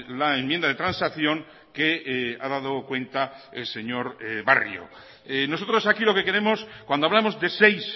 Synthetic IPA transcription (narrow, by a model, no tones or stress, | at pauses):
laemjend̪aðe̞t̪ɾansakθjõ̞ŋ | kea̰ðaðokwẽ̞nt̪aelse̞ɲo̞ɾβa̰rjo̰ | eno̞so̞t̪ɾosakilo̞ke̞ke̞ɾe̞mo̞skwand̪oaβlamo̞zðe̞sejs